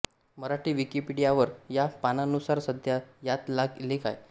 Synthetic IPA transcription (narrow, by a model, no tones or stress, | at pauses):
məɾaʈiːʋikipiɽijaʋəɾjapananusaɾsəd̪ʱjajat̪laɡlekʰa̰j